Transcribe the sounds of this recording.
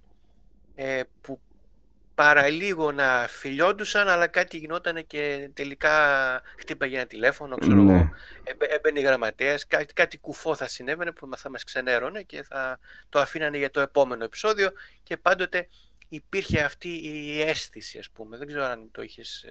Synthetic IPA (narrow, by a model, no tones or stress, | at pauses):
epu | pɐɾɐliɣo̞nɐfiʎo̞nd̪usɐnɐlɐkɐt̪iʝino̞t̪ɐne̞ce̞t̪e̞likɐxt̪ipɐʝenɐt̪ile̞fo̞no̞kseɾoɣoebebeniɣɾɐmɐt̪iɐskɐkɐt̪ikufo̞θɐsine̞vene̞pumθɐmɐskse̞ne̞ɾo̞ne̞ce̞θɐt̪oɐfinɐneʝɐt̪o̞e̞po̞me̞no̞e̞pi̥so̞ðio̞ce̞pɐnd̪o̞t̪e̞ | ipiɾçe̞ɐft̪iːe̞st̪isiɐspume̞ðe̞ɡze̞ɾoɐnt̪o̞içes